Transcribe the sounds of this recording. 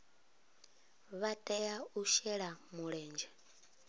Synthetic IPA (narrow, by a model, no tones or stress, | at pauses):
βatʼɛjauʃɛɺamuɺɛːnd͡ʒɛ